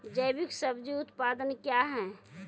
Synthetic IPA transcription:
d͡ʒəjbiksəbd͡ʒiʊt̪pad̪ənkjaɦɛ̃

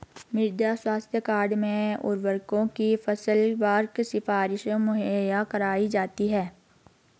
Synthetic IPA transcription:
mɪɾd̪jaswaːst̪ʰjəkaːɾɖmẽʊ̰ɾʋəɾkõkifɐsəlʋaːɾksɪfaːɾɪʃõmʊɦjakɐɾaːid͡ʒaːt̪iɦɛː

